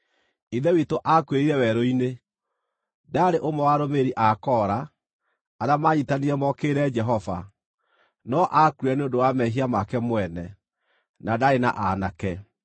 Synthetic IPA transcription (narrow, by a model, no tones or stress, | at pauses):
iðɛwitoʔakweɾiɾɛwɛɾoine | daːɾeʔomɛwaɾomeɾiʔakɔɾaː | damaɲitaniɾɛmɔkeɾɛd͡ʒɛɦɔva̰ | nɔʔakuɛneondowamɛɦiamakɛmwɛnɛ | nadaɾena̰ʔanakɛ